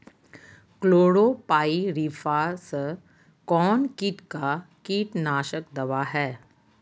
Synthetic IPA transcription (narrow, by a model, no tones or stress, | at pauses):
kloːɽoːpaːiɾiːfʰaːs | kɔːnkiːʈka | kiːʈnaːʃəkd̪ɐʋaːɦɛː